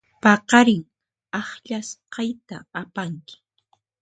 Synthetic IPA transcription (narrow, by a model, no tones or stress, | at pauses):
pɑqɑɾɪŋ | ɑχʎasqɑjt̪a̰ːpaŋkɪ̥